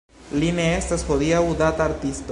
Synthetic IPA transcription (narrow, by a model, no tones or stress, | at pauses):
lineest̪asxoðiauðat̪aɾt̪ist̪